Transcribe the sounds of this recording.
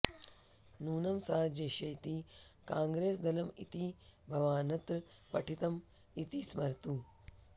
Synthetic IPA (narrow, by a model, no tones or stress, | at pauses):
nuːnɐmsaːd͡ʒɐʃɐjt̪ikaːŋɡɾeːsd̪ɐlɐmḭt̪ibʱɐʋaːnɐt̪ɾɨpɐʈʰit̪ɐm | it̪ismɐɾt̪u